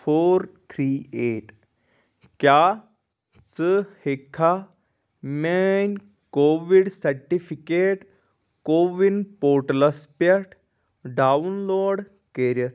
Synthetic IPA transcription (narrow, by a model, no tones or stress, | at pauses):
foːɾt̪ʰɾiːeʈ | kja | t͡səhekʰːa | men | koʋiɽsɐɾʈifikeʈ | koʋinpoɾʈləspjɐʈ | ɖaunloːɖ | keɾjə